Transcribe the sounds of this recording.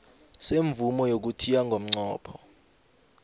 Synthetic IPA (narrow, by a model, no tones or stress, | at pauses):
seɱvumɔjok̬utʰijaŋɡʱom̩ŋ͡ǀɔːpʰɔ